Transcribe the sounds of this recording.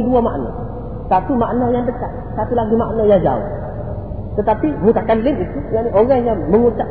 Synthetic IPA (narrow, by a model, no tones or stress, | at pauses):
duamaʔnɔ̰̃ | sat̪umaʔnɔjaŋdəkaʔ̚ | sat̪ulaɡimaʔnɔjaŋd͡ʒa̰ʊ̰h | t̪ət̪apimukakanlɪnit̪ujanioɣaŋjaŋməŋut͡ʃa